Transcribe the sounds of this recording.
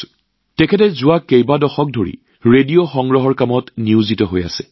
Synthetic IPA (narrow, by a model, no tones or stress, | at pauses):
tɛkʰɛtɛzʊwakejbadɔxɔk̚dʱoɹḭ | ɹedijoxɔŋɡɹɔɦɔɹkamɔtniuzitɔɦoja̰sɛ̥